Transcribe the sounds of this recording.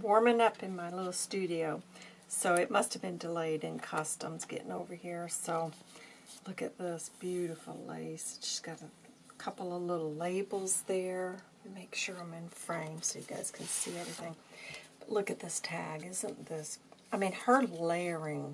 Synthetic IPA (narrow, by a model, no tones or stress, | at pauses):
wɔɹmɪ̃ŋʌpɨ̃nmaɪlɪɾl̩ˠstʉɾioʊ | soʊɨt̚mʌst̚hɨvbɨ̃ndɨleɪɾɨ̃nkʰʌstə̰̃mz̥ɡɛ̰ɾʔɪ̰̃ŋoʊvə˞hiɹsoʊ | lʊkɨt̪̚ðɪsb̥jʉɾɨfl̩ˠlḛɪsʒ̥ʌ̥sɡ̥ɑɾə | kʰʌpl̩ˠʌlɪɾl̩ˠleɪbl̩ˠzðə˞ | meɪkʃʊɹãɪ̃mɨ̃nfɹẽɪ̃msoʊjɨɡa̰ɪz̥kʰɨ̃n̩siɛvɹiθɪ̃ŋb̥ʌtˡlʊkɨt̪̚ðɪstʰæɡɪzə̃nðɪsaɪmĩnə˞lɛ˞ɪ̃ŋ